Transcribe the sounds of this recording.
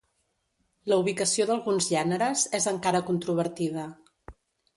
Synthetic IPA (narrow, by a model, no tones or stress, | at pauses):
ləuβ̞ikəsioðəlˠɣunzʒɛnəɾəzɛzəŋkaɾəkunt̪ɾuβəɾt̪iðə